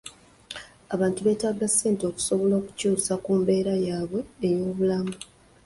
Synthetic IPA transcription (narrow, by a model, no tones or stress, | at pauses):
aβaːntuβe̞ːtaɡasːe̞ːntio̞ku̥so̞βo̞lo̞ːku̥cuːsakuːmbe̞ːɾajaːβwe̞ːjo̞ːβulamu